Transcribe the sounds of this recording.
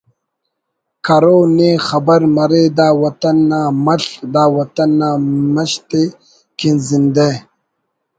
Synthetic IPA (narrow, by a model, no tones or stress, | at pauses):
kʰɐɾoːneːxɐbɐɾmɐɾeːd̪aːwɐt̪ɐnːaːmɐɬd̪aːwɐt̪ɐnːaːmɐɕt̪e | kinzind̪e